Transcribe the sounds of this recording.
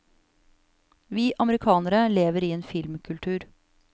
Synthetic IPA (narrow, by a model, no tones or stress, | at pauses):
ʋiːʔɑməɾɪkʰɑːnəɾəleːʋəɾiːeːnfɪlmkʰʉlt̪ʰʉːɾ